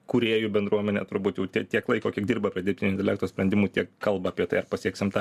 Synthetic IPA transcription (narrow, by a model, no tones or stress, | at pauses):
kʊɾʲeːjʊbʲɛnd̪ɾuɔmʲɛnʲḛːt̪ʊɾbuːt̪jɛʊt̪ʲiɛtʲiɛklˠɐɪkoːkʲiɛɡ̚d̪ʲiːrbɐpʲɾʲiɛd̪ʲɪɾpt̪ʲɪnʲʊɪnʲt̪ʲɛlʲæːk̚t̪oːsʲpʲɾʲɛnʲd̪ʲɪmuːt̪ʲiɛkkɐlˠbɐaːpʲiɛt̪ɐɪɐrpɐsʲiɛksʲɪmt̪ɑ